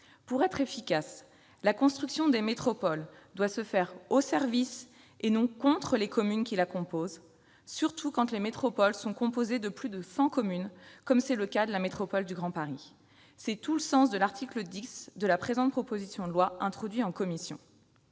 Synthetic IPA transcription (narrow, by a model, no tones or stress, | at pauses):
puʁɛt̪χefikas | lakɔ̃st̪χyksjɔ̃d̪emet̪χɔpɔld̪wasəfɛʁosɛʁvis | enɔ̃kɔ̃t̪χəlekɔmynkʲilakɔ̃poz | syʁt̪ʰukɑ̃t̪lemet̪χɔpɔlsɔ̃kɔ̃pozed̪əplyd̪əsɑ̃kɔmynkɔmsɛləkad̪əlamet̪χɔpɔld̪yɡʁɑ̃paʁi | sɛt̪uləsɑ̃s̬d̪əlaʁt̪ʰikləd̪isd̪əlapχezɑ̃t̪̚pχɔpozisjɔ̃d̪əlwaɛ̃t̪χɔd̪ɥiɑ̃kɔmisjɔ̰̃